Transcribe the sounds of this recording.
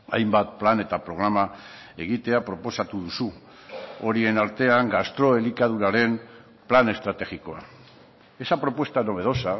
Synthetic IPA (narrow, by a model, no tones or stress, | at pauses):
a̰jmbat̪̚plane̞t̪apɾo̞ɣ̞ɾama | e̞ɣ̞it̪e̞apɾo̞po̞sat̪uð̞usu | o̞ɾie̞naɾt̪e̞aŋɡast̪ɾo̞e̞likað̞uɾaɾe̞m | plane̞st̪ɾat̪e̞xiko̞a̰ | esapɾo̞pwe̞st̪ano̞β̞e̞ð̞o̞sa